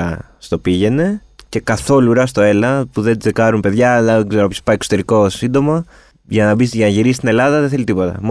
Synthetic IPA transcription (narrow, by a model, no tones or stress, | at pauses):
ɐ | st̪o̞piʝe̞ne̞ | ce̞kɐθo̞luɾɐst̪o̞e̞lɐpuðe̞t͡sekɐɾumpe̞ðʝɐɐɡzeɾooçspɐieso̥t̪e̞ɾiko̞sind̪o̞mɐ | ʝɐnɐbisʝɐnɐʝiɾisi̥st̪ine̞lɐðɐðeθe̞lit̪ipo̞t̪ɐ̰m